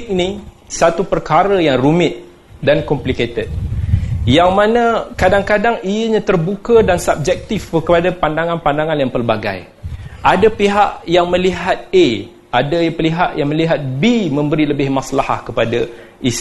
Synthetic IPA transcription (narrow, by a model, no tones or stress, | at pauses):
k̚ni | sat̪upərkaɾəjaŋrumɪt̪̚ | dankɔmpliket̪ət̪̚ | jaŋmãnakadaŋkadaŋijəɲãt̪ərbukədansap̚d͡ʒɛk̚t̪ifəkəpadapandaŋãnpandaŋanjaŋpərbaɡa̰j | ʔadapiɦaʔjaŋməliɦat̪̚e | adapəliɦaʔjaŋməliɦat̪̚bimə̃mbəɾiləbɪhmaslaha̰hkəpada | ʔis